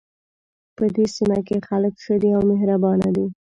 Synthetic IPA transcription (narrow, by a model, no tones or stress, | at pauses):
pəd̪esimakexaləkxəd̪iawmeɦɾabɑnad̪i